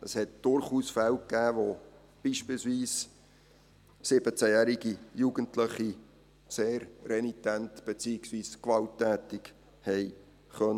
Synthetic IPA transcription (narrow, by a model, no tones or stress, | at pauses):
əshɛtd̥ʊɾχuːsfæwkːæːʋo | b̥iːʃpilsviːs | sɪb̥ət͡sæjæːɾiɡijuɡəntləχi | seːɾrɛnitæntb̥et͡siːɪksviːskvɑltːæːtɪk | hɛɪ | χœnə